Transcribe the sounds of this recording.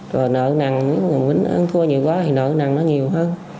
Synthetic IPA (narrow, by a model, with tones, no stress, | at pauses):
zo˨˩jnə̰ː˧˨na˨˩ŋmi˨˦ŋː˨˩vï˨˦ŋʔə̰˧nk̪ʰɨ˧əɲi˨˩əwkwaː˨˦˥t̪ʰi˨˩nə̰ː˧˨na˨˩ŋnɔ˨˦ɲi˨˩əwɦəː˧n